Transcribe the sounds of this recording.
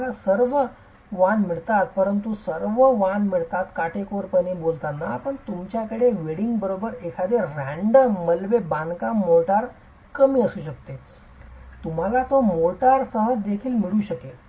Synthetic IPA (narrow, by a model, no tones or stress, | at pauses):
lasəɾʋə | ʋanmiɭt̪at̪̚pəɾənt̪usəɾʋəʋanmiɭt̪at̪kaʈʰekoɾpənebolt̪anapəɳt̪umt͡ɕjakəɽeʋeɽiŋɡbəɾobəɾekʰad̪eɾɾæɳɖəmːəlʋebankamoʈaɾ | kəmiːəsuːɕəkt̪e | t̪um̤alat̪omoʈaɾsəɦəd͡zd̪ekʰiːlmiɭuːɕəke